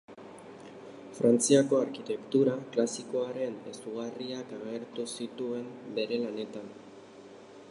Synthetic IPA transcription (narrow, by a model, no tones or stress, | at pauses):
fɾant͡siako̞aɾkit̪e̞kt̪uɾaklasiko̞aɾe̞nḛsuɣariakaɣe̞ɾt̪usit̪ue̞mbe̞ɾe̞lane̞t̪an